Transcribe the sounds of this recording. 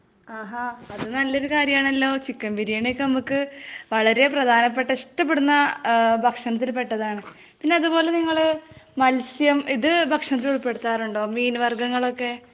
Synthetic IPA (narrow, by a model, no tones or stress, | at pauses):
aːɦaɐðɨnɐlːo̞ɾukaːɾjɐmaːɳɐlːo̞ːt͡ɕikːɐmbiɾijɐɳekːɨnɐmukːɨʋɐɭɐɾe̞prɐd̪ʱaːnɐp̬ːe̞ʈːɐeʂʈɐp̬ːeɽunːɐbʱɐkʂɐɳɐt̪̬ːilpe̞ʈːɐðaːɳɨ | pinːe̞ɐðupo̞ːle̞niŋːɐɭmɐlsjɐmiðɨbʱɐkʂɐɳɐt̪̬ːiluɭpe̞ɽut̪ːaːɾuɳɖo̞ːmiːnʋɐrɡɐŋːɐɭo̞kːe̞